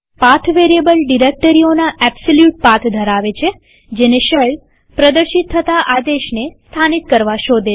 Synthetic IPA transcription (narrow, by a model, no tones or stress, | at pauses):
pat̪ʰʋeɾiebəlɖiɾek̚ʈəɾionaʔɛbsoljuʈ̚pat̪ʰd̪ʱəɾaʋet͡ʃʰe | d͡ʒeneʃəɭ | pɾəd̪əɾʃit̪ʰːət̪aʔad̪eʃnest̪ʰanit̪kəɾʋaʃod̪e